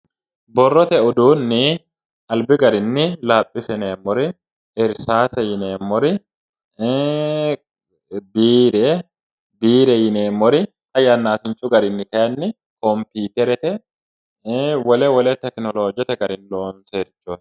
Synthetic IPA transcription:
bɔrːɔt̪ɛɔd̪uːnːɪ | ʔɐlbɪɡɐɾɪnːɪlaːpʼːɪsɛneːmːɔɾɪ | ʔɪɾsaːsɛjɪneːmːɔɾɪ | biːɾɛ | biːɾɛjɪneːmːɔɾɪ | ɐjanːaːsɪnt͡ʃʼːʊɡɐɾɪnːɪkɐjɐnːɪ | kɔmpiːt̪ɛɾɛt̪ɛ | wɔlɛwɔlɛt̪ɛknɔloːd͡ʒɛt̪ɛɡɐɾɪnloːnseːɾt͡ʃːuːt̪

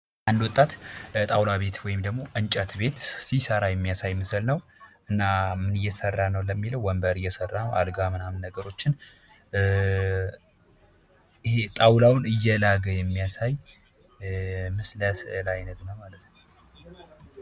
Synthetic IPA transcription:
ʔand̪wɔt̪ʼːat̪t̪ʼawlaβe̞t̪wɔjɪmd̪əɡmo̞ʔɨnt͡ʃʼət̪be̞t̪sisəɾajɛmːijasajmɨsɨlnəwʔɨnːamɨnɨjːɛsərːanəwləmːiləwːəmbəɾɨjːɛsərːanəwa̰lɡamɨnamnːəɡəɾo̞t͡ʃːɪn | het̪ʼawlawnɨjːɛlaɡəjɛmːijasaj | mɨsləslajnət̪nəwmalət̪nə

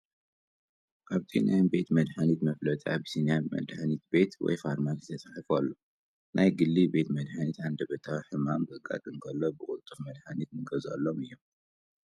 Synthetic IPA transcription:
kʰaβt̪ʰina̰jmbe̞t̪mɐd̪ħanit̪mɐflɐt̪ʼa̰bɨsinjamɐ̰d̪ħanit̪̚be̞t̪wɔ̰jfaɾmakɨt̪ʰɐsʼaħifalːo | nʔajɡɨlːibe̞t̪mɐd̪ħanit̪ʕand̪ɐbɐt̪ʰawħɨmamɡɨɡʼa̰t̪ʼɨŋkʰɐlːobɨkʼʊlt̪ʼɨfmɐd̪ħanit̪ɨɡɐza̰lːomɨjːom

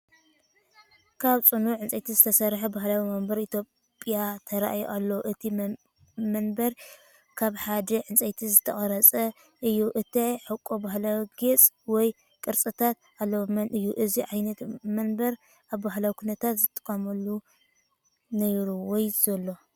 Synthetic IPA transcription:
kʰaβt͡sʼɨnuʕɨnt͡sʼɐjt̪ʰizɨt̪ʰɐsɐɾħɐbaɦlawimɐmbɐɾit̪ʰjo | pʼjat̪ʰɐɾa̰ʔajo̰ʔalːowʔɨt̪ʰi | mɐnbɐɾ | kʰaβħad̪ɐʕɨnt͡sʼejt̪ʰizɨt̪ʰɐχʼɐɾɐt͡sʼɐ | ʔɨjːuʔɨt̪ʰɐħɨkʼːobaɦlawiɡet͡sʼ | wɔj | kʼɨɾt͡sʼɨt̪ʰat̪̚ | alːɐwomɐnʔɨjːuʔɨziʕajnɐt̪mɐnbɐɾ | ʔaβbaɦlawikʰunɐt̪ʰat̪zɨt̪ʼːɨ̥kʼːɐmɐlːu | nɐjɾuwɔjz̥ɐlːo̞

